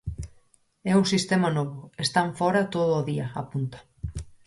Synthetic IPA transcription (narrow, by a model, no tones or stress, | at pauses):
ɛusist̪ɛmanɔβʊest̪aɱfɔɾɐt̪oðʊːðiɐapunt̪ḁ